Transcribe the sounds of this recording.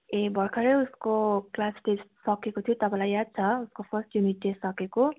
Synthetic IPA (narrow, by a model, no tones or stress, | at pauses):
ebʱʌrkʰʌɾeuskoklasʈessʌkekot̪ʰijot̪ʌpãlajad̪̚t͡sʰʌuskopʰʌrsʈjuniʈ̚ːesʌkeko